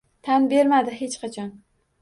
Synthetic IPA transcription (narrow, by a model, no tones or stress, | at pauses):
t̪ʰanbe̞ɾmad̪ɪɦet͡ʃqʰɑt͡ʃʰɒn